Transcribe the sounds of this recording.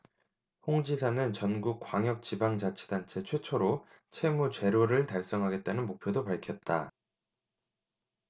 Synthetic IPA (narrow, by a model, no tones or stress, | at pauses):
hoŋd͡ʑisʰanɯnt͡ɕʌnɡuk̚k͈waŋjʌk̚t͡ɕibaŋd͡ʑat͡ɕʰe̥dant͡ɕʰe̞t͡ɕʰwe̞t͡ɕʰoɾo | t͡ɕʰe̞mut͡ɕwe̞ɾoɾɯɭtaɭs͈ʌŋɦaɡe̞t̚t͈anɯnmok̚pʰjodopaɭkʰjʌt̚t͈a